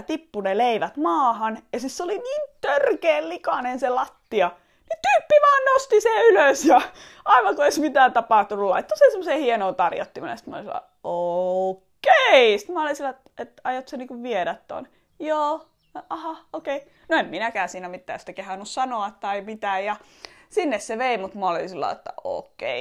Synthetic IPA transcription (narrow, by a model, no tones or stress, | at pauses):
t̪ipːuneleiʋæt̪mɑːhɑnjɑsisseoliniːnt̪ørkeːllikɑnenselɑt̪ːiɑ | nit̪yːpːiʋɑːnnost̪iseyløsjɑ | ɑiʋɑkueismit̪æːnt̪ɑpɑˑht̪unulɑ̰it̪ːosensemːoseːhienoːnt̪ɑrjɑ̰t̪ːimɑ̰nɑ̰j̰ɑsi̥t̪mæɑ̰o̰liselːɑ̰ | o | keisi̥t̪mæolinsilːɑt̪ | et̪ɑjot̪seniːŋkuʋʋieɾæt̪to̰n | joː | ʔɑhɑokei | noemminækæːsiːnæmit̪ːæ̰ːsi̥t̪ækehɑnːussɑnoɑt̪t̪ɑimit̪æːjjɑ | sinːesseʋeimut̪mɑolḭnsilːɑ̰ḛt̪ːæ̰o̰ːkːḛi